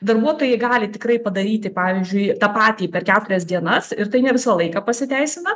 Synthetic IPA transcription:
d̪ɐrbuɔt̪oːjɛɪɡɑːlʲɪt̪ʲɪkrɐɪpɐd̪ɐɾʲiːt̪ʲɪpɑːʋʲizʲd͡ʒʲʊɪt̪ɑːpɑːt̪ʲiːpʲɛrkʲæːt̪ʊɾʲɛsd̪ʲiɛnɐsɪɾt̪ɐɪnʲɛʋʲɪsɐlˠɐɪkɑːpɐsʲɪt̪ʲæɪsʲɪnɐ

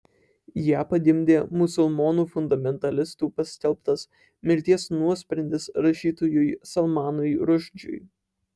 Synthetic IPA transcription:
jæːpɐd̪ʲɪmʲd̪ʲeːmʊsʊlˠmoːnuːfʊnd̪ɐmʲɛnt̪ɐlʲɪst̪uːpɐsʲkʲɛlʲˠpt̪ɐs | mʲɪɾʲt̪ʲiɛsnuɔsʲpʲɾʲɛnʲd̪ʲɪsɾɐʃʲiːt̪ojʊjsɐlˠmɑːnʊjɾʊʒʲd͡ʒʲʊ̰j

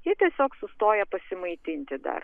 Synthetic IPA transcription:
jɪt̪ʲiɛsʲoːksʊst̪oːjɛpɐsʲɪmɐɪt̪ʲɪnʲt̪ʲɪd̪ɐ̰r

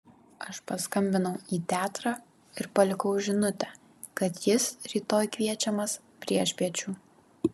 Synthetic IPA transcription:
ɐʃpɐskɐmʲbʲɪnɐʊiːt̪ʲæːt̪ɾɑː | ɪɾpɐlʲɪkɐʊʒʲɪnʊt̪ʲɛ | kɐt̪jɪsɾʲiːt̪oːjkʋʲiɛt͡ʃʲɛmɐs | pʲɾʲiɛʃʲpʲiɛt͡ʃʲuː

